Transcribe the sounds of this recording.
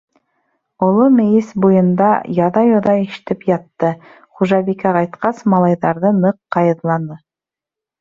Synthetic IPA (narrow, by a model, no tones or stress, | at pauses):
ŏlˠomɘ̆jɘsbujɤ̆nd̪ɑjɑðɑjŏðɑĭʃɘ̥̆t̪ɘpjɑt̪ːɤ | χuʒɑbikæqɑjt̪qɑsmɑlˠɑjðɑɾðɤnɤqːɑjɤ̆ðlˠɑnɤ